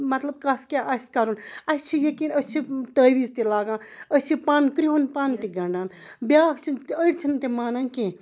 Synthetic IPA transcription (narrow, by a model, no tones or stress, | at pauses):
mɐt̪lɐb̚kaskʲeʔɐskaɾunɐst͡ʃʰijekĩnəst͡ʃʰit̪əːʋiːzt̪ilaːɡãː | ət͡ʃʰipaːnkɾiɦunpaːnt̪iɡɐɳɖaːn | bʲjaːkt͡ʃʰintəiɽt͡ʃʰint̪emaːnankẽ